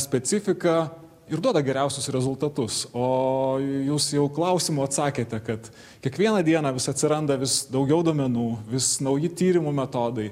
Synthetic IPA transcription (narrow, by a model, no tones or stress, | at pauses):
sʲpʲɛsʲɪfʲɪkɐ | ɪɾd̪uɔd̪ɐɡʲɛɾʲɛʊsʲʊsɾʲɛzʊlˠt̪ɐt̪ʊsoːjuːsjɛʊklˠɐʊsʲɪmʊɐt̪sɑːkʲeːt̪ʲɛkɐt̪ | kʲiɛkʋʲiɛnɐd̪ʲiɛnɑʋʲɪsɐt̪ʲsʲɪɾɐnd̪ɐʋʲɪsd̪ɐʊɡʲɛʊd̪oɔːmʲɛnuːʋʲɪsnɐʊjɪt̪ʲiːɾʲɪmumʲɛt̪oːd̪ɐɪ